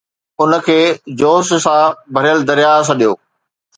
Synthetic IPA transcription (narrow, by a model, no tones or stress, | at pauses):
ʊnə̆kʰeːd͡ʑoːssãbʱɐɾijəld̪ɐɾijaːs̬ãɗijoː